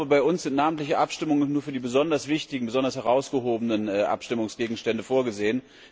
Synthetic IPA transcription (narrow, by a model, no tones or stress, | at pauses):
bəbaɪʊnsz̥ɪntnaːmən̩tlɪçəʔapʃtɪmʊŋənnuːɐfyːɐdiːbəzɔndɐsv̥ɪçtɪɡŋ̩bəzɔndɐshɛʁaʊsɡ̥əɦoːbənənɛːʔa̰pʃtɪmʊŋsɡ̥eːɡŋ̩ʃtɛndəfoːɐɡəzeːən